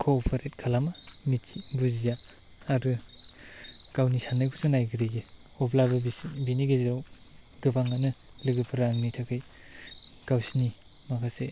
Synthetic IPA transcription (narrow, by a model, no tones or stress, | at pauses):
kʰoːpʰaɾet̚kʰalamamiɡuzijaː | ɾɯ | kawnisanɯjkʰusɯnajɡɯɾeɡe | ɔplabɯbiniɡeziɾaw | dɯpaŋanɯ | lɯɡɯpʰɯɾaŋmitʰakʰɯj | kawsni | makʰase